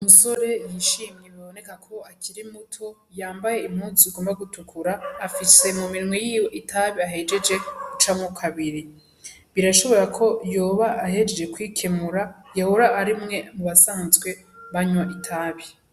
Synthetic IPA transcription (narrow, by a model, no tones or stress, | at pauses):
umuso̞ɾe̞jiʃimɲeβiβo̞ne̞kakʰo̞akʰiɾimutʰo̞ | jaːmbaje̞imhuːziuɡo̞ːmbaɡutukʰuɾaːfise̞mumiɾmwejiːweʔitʰaβiaɦe̞d͡ʒe̞d͡ʒe̞ut͡ʃamukʰaβiɾi | βiɾaʃo̞βo̞ɾakʰo̞joːβaːhe̞d͡ʒed͡ʒekwiːkʰe̞muɾajahoɾaʔaɾimŋe̞muβasaːnzɡwe̞ | βaɲwaʔitʰaːβi